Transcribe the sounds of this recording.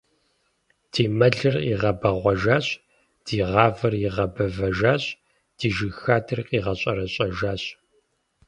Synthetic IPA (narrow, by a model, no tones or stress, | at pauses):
d̥iːmɐɮɨrḭːʁɐbɐʁʷɔʒaːɕ | d̥iːʁɑːvɐrjiʁɐbɐvɐʒaːɕʼ | d̥iːʒɨxaːdʰɨrqʼiːʁɐɕʼɐɾɐɕʼɐʒaːɕʼ